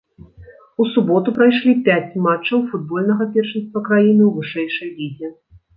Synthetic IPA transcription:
usubɔt̪upɾajʂlʲipʲat͡sʲmat͡ʂːɐwfud̪̚bɔlʲnɐɣɐpʲɛrʂɨnst̪vɐkɾajinɨwvɨʂɛjʂɐjvʲizʲɛ

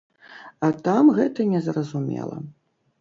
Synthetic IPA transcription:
ɐt̪amɣɛt̪ɐnʲɛzrɐzumʲɛ̰lˠɐ̰

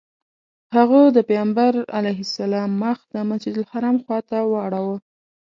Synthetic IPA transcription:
haɣəd̪əpejambaɾa̰lajɦɪsalɑmːaxd̪əmasd͡ʒid̪ʊlhaɾɑmxwɑt̪awaɽawə

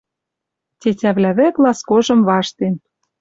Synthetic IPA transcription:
tʲetʲæβlæβeklɑskoʒɤ̆mβɑʃt̪en

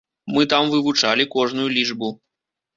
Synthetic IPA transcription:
mɨt̪amvɨvut͡ʂalʲikɔʐnujulʲit͡ʂbu

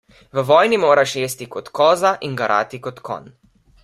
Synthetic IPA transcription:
ʋəʋɔːjnimoːɾaʃjeːst̪ikɔt̪kɔːzaʔinɡaɾʔa̰ːt̪ikɔt̪kɔ̰n

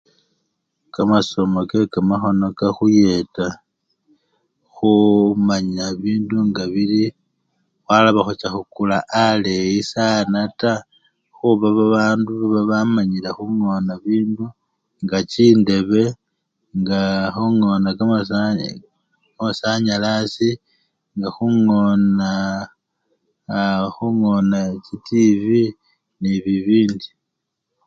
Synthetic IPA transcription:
kamaso̞mokekamaxo̞no̞kaxuje̞ta | xumaɲaβiːnduŋɡaβili | xwalaβaxut͡ʃaxukulaʔalejisanata | xuβaβaβaːnduβaβaβamaɲilexuŋo̞naβiːndu | ŋɡat͡ʃiːnde̞βe̞ | ŋɡaxuŋo̞nakam | osaɲalasi | ŋɡaxuŋona | xuŋonacitivi | niβiβiːndi

